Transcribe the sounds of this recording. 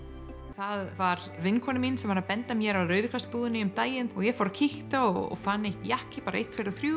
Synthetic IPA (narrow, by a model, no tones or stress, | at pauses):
θaðvaɾ | vɪnːkʰvɔnɪminsɛmvaɾaðpɛnt̪amjɛɾawɾœɥðʏkʰlast̪puːðʏnɪʏmt̪aːjɪnɔɣjɛfɔwɾacʰɪht̪aɔɣɔ̰ɣfanːejht̪jahcɪpaːɾaḛjt̪feɾaθɾjuː